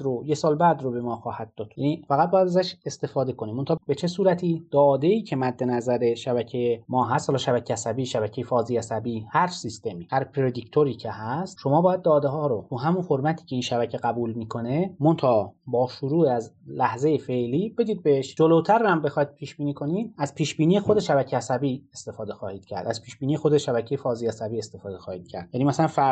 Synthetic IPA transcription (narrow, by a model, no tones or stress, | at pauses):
d̪ɾojesɒːlbæd̪ɾobe̞mɒːxɒːhæd̪̥̚ːɒːd̪jænifæɣæt̪̚bɒːjæd̪æzæʃe̞st̪e̞fɒːd̪e̞kʰonimːont̪ɑːbe̞t͡ʃʰe̞suːɾæt̪ʰiːd̪̥ɒːd̪e̞iːcʰe̞mæd̪ːe̞næzæɾe̞ʃæbæcʰejemɒːɦæst̪hɒlɒːʃæbæcʰeæsæbiːʃæbæcʰe̞jefɒːziːæsæbiːhæɾt͡ʃsist̪e̞miːhæɾpʰɾed̪ict̪ʰoɾiːcʰehæst̪ʃo̞mɒːbɒːjæd̪̚ːɒːd̪eɦɒːɾot̪ʰuːɦæmunhoɾmæt̪ʰi̥ːcʰe̞inʃæbæcʰeɡæbuːlmiːkʰo̞nemont̪ʰɒbɒːʃuɾuːeæzlæhzejefe̞ʔliːbe̞d̪iːd̪̚beeʃd͡ʒolot̪ʰæɾːæmbexɒjid̪̚pʰiːʃb̥iːniːkʰo̞nid̪̚æz̥pʰiːʃb̥iːniːexod̪eʃæbæcʰeæsæbiːest̪e̞fɒːd̪e̞xɒːhiːd̪̥cʰæ̰ɾd̪æz̥pʰiːʃb̥iːniːje̞xod̪eʃæbæcʰejefɒːziːæsæbiːest̪e̞fɒːd̪exɒːhiːd̪̥̚cʰæ̰ɾd̪̥jænimæsælænfæ